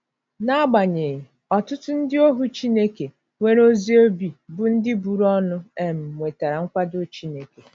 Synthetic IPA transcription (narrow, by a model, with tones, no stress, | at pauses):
na˦a˦ɡ͡ba˨ɲe˨ɣ | ɔ˨tʊ˦tʊ˦n̩˦dɪ˦o˦ɦu˦t͡ʃi˦ne˦ke˨ | ŋʷe˦ɾo˦zi˦o˦bi˨bʊ˨n̩˦dɪ˦bu˨ɾɔ˦nʊ˦e˨m̩˨mʷe˨ta˨ɾa˨ŋ̩˦kʷa˦do˦t͡ʃi˦ne˨ke˨